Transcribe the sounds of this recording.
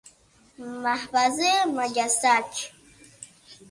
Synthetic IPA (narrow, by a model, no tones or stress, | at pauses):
mahbazemaʎasat͡ʃ